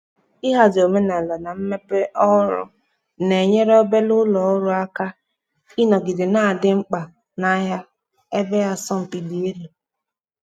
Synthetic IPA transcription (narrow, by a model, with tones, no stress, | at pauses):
i˦ɦa˨do˨me˦na˨la˨na˨m̩˦me˦pe˦ʔɔ˦ɾʊ̰˦ | ne˨ɲe˦ɾɔ˦be˦lʊ˦lɔ˨ʊ˦ɾʊ˦a˦ka˦ | i˦nɔ˨ɡɪ˨dɪ˨na˦˨dɪ˦ŋ͡m̩˦k͡pa˨ | na˨ja˦ | e˦be˦ja˦sɔ˦m̩˨pi˨di˨˦e˦lu˨